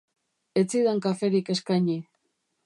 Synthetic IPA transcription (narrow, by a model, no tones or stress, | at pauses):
et͡siðaŋkafe̞ɾike̞skajɲi